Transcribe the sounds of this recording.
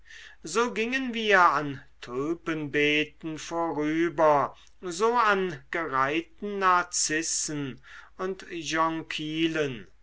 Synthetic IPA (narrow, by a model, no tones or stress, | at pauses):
zoːɡɪŋənviːɐantʰøpənbɛːtn̩foːʁyːbɐ | zoːanɡ̥əʁaɪtn̩naɐt͡sɪsn̩ʊntjɔŋkʰiːlən